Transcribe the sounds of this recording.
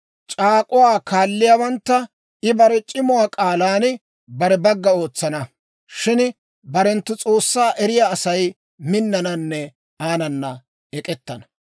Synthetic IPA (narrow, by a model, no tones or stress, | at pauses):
t͡ʃʼaːkʼʊwaːkaːlːɪjaːbɐnt̪ːɐ | ɪbɐɾɛt͡ʃʼɪmʊwaːkʼaːlaːn | bɐɾɛbɐɡːɐo̞ːt͡sːɐnɐ | ʃɪn | bɐɾɛnt̪ːʊt͡sʼo̞ːsːaːʔɛɾɪjaːsɐj | mɪnːɐnɐnːɛ | aːnɐnːɐ | ɛkʼɛt̪ːɐnɐ̥